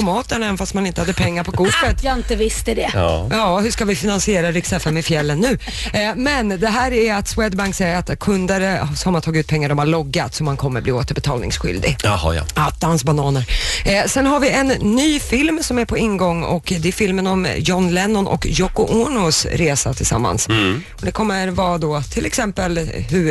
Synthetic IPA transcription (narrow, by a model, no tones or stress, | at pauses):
pʰɔmɑːt̪əɳaɛnfast̪manɪnt̪əhad̪ːəpʰɛŋːaɾpʰɔɡʊət̪jɑɪnt̪əvɪst̪əd̪ɛ̰jɑːhɵʂkavɪfɪnansɪeːɾaɾɪksɛfɛmɛfjɛlːənːʉ̟ː | mɛnd̪ɛɦæːɾæɾat̪swɛd̪baŋksɛjəɾat̪kʰɵnd̪əɾsɔmat̪ʰɑːɡɪʉt̪pʰɛŋːaɾɖɔmhaɭɔɡːat̪sɔmːankʰɔmːəɾbliːoːt̪əɾbɛt̪ʰɑːlnɪ̰ŋsɧʏ̰ld̪ɪ̰ɡhat̪̚d̪ansbanɑːnəɾsɛnɦaɾvɪʔɛnːyːfɪlmsɔmæɾpʰɔɪnːɡɔŋːɔ̰kd̪ɛæɾfɪlmənɔmjɔnlɛnːɔnʔɔ̰kjɔkʊʔɔɳʊsɾeːsat̪ʰɪlsa̰mːa̰ns | ɔd̪ɛkʰɔmːəɾvɑːd̪ɔt̪ʰɪlɛksɛmpəlhɵ